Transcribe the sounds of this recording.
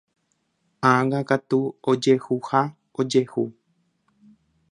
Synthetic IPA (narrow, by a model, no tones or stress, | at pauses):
ãɡakat̪uod͡ʒe̞huha | od͡ʒe̞hu